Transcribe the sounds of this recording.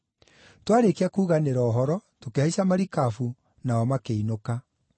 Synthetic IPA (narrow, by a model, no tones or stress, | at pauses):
twaɾekeakuːɣaneɾɔːɦɔɾɔtokeaisamaɾikafu | naɔmakeinoka